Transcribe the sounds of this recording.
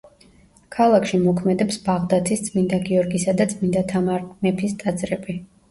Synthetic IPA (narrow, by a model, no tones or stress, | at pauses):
kʰalˠakʰʃimɔkʰmɛd̪ɛpsbaʁd̪at̪ʰist̪sʼmind̪aɡiɔɾɡisad̪at̪sʼmind̪at̪ʰaamɛpʰist̪ʼad̪zʼɾɛbi